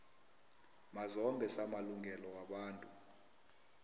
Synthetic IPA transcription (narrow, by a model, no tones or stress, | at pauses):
mazɔmbʱɛsamaluŋɡʱɛlɔwaɓaːntʼu